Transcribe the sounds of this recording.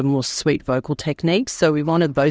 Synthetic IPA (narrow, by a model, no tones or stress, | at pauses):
əmɔɹswitv̥oʊkl̩ˠtʰɛkniˑksoʊwiwɑ̃ɾ̃ɨd̪̚ðəʊ